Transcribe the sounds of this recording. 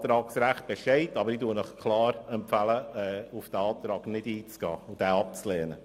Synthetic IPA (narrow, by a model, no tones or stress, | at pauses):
t̪ɾɑːksɾæχt̚b̥ɛʃɛɪtɑbəɾituənɔχkʰlɑːɾɛmpfæləɛːʊfd̥ɛɑːt̪ɾɑːɡnɪdiːt͡sɡ̥ɑ̰ːʊd̥ɛːɑpt͡slɛːnə